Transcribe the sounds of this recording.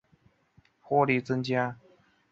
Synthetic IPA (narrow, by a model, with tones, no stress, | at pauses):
xwɔ˥li˨˩t͡sə˦˥nt͡ɕja˥